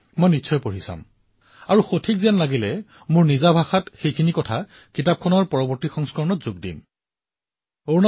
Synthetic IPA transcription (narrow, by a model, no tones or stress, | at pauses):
mɔjnitːsʰɔjpoɹisa̰m | aɹuxotʰik̚zianlaɡilɛ | mʊɹnizabʱaxatxejkʰinikɔtʰa | kitap̚kʰɔnɔɹpɔɹɔbɔɹtixɔŋskɔɹɔnɔtz̥ʊɡdḭm | oɹna